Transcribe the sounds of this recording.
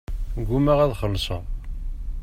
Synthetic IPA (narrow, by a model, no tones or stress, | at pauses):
ɡumæʁæðχəlːsˤɑ̰